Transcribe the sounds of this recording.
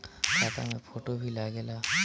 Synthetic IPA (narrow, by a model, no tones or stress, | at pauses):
ʃat̪a̰mefoʈobʱilaɡela